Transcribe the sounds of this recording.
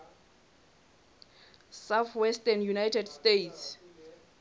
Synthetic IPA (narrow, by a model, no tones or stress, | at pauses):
sawθʰwɛstanjunajtʰɛdstejts